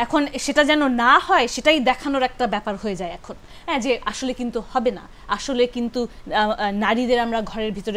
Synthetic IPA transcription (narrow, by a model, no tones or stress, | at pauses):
ɛkʰonʃeʈad͡ʑɛnonahɔeʃeʈajd̪ɛkʰanoɾɛk̚ʈabɛpaɾhoed͡ʑaeɛkʰon | ɦɛ̃d͡ʑeaʃolekint̪uhɔbena̰ | aʃolekint̪u | naɾid̪eɾamɾaɡʱɔɾeɾbʱit̪oɾe